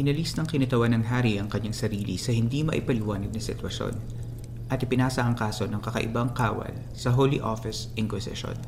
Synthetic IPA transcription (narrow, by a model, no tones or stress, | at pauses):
ʔɪnɐlisnɐŋkɪnɐt̪ɐwanɐŋɦaːɾiʔɐŋkɐɲːaŋsɐɾiːlḭsɐhɪnd̪imɐ̰ʔɪpɐlɪwaːnɐɡ̪̚nɐsɪ̰t̪wɐʃo̰n | ʔɐt̪ɪpɪnaːsɐʔɐŋkaːso̞nɐŋkɐkɐʔɪ̰bɐŋkaːwɐ̰l | sɐɦoliʔofɪsʔɪŋkwɪsɪ̰ʃo̰n